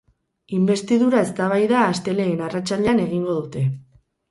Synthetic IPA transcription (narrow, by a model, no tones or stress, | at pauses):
imbe̞st̪iðuɾae̞st̪aβ̞ajðaːst̪e̞le̞ːnarat͡salʎeane̞ɣ̞iŋɡo̞ðut̪e̞